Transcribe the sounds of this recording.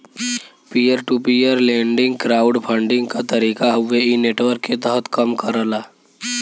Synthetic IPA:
pijəɾʈupiːjəɾlẽːɳɖɪ̃ŋɡkɾaːʊɖpʰə̃ɳɖɪ̃ŋɡkat̪əɾiːkaɦʊʋeineːʈwəɾkːet̪əɦət̪kəmkəɾəlaː

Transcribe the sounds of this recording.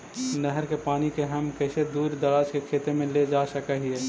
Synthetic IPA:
nɛɦəɾkepaːnikeɦəmkəɪsed̪uːɾd̪əɾaːt͡ʃkekʰeːt̪emẽled͡ʒaːsəkəɦie

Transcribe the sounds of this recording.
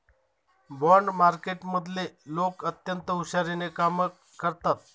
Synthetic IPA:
bɔɳɖmaɾkeʈməd̪ʱlelokət̪jənt̪əuɕaɾenekaməː | əɾt̪at̪̚

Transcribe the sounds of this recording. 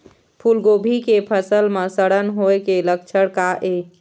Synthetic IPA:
pʰulɡobʱikepʰəsəlmesəɽənɦoekeləkt͡ʃʰəɽkaʔe

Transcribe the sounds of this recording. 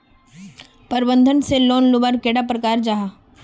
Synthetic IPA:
pəɾbə̃nd̪ʱənseloːnlʊbəɾkeːɽapɾəkaːɾd͡ʒaɦa

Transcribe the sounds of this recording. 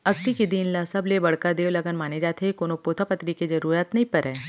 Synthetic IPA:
ɐɡ̚t̪ikid̪iːnlasɐblebɐɽkad̪eːwlɐɡənmaːned͡ʒaːt̪ʰekoːnopoːt̪ʰapɐt̪ɾikezɐɾuːɾaːt̪nɐĩpɐɾɦɛː

